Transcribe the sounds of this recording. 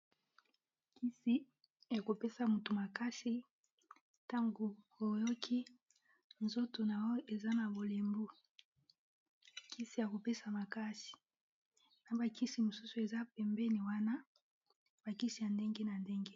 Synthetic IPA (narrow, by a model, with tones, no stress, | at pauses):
kʰi˦si˨ | ja˨ko˨pe˦sa˨mu˨tu˨ma˨ka˦si˦ | ta˦ŋɡo˨ | o˨jo˦kʰi˦ | nzo˦to˨na˨wɔ˦e˨za˦na˨bo˨le˨mbu˦ | kʰi˦si˨ja˨ko˨pe˦sa˨ma˨ka˦si̥˨ | na˨ba˨ki˦si˨mo˨su˦su˨e˨za˦pɛ˨mbe˦ni˨wa˦na˦ | b̥a˨ki˦si˨ja˨nde˦ŋɡe˦na˨nde˦ŋɡe˦